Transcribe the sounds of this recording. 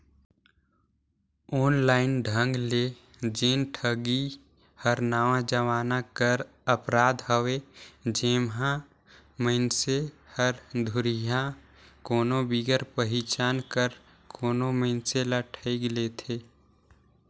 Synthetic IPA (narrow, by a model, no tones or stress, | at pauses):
oːnlaːɪnɖʱə̃ŋɡle | d͡ʒeːnʈʰəɡi | həɾnaːʋãd͡ʒəʋaːnakəɾ | əpɾaːd̪ɦəʋed͡ʒeːmɦã | məɪnsehəɾd̪ʱʊɾijã | koːnobiɡəɾpəɦit͡ʃaːnkəɾ | kʰoːnoməɪnseləʈʰəɪɡlet̪ʰeː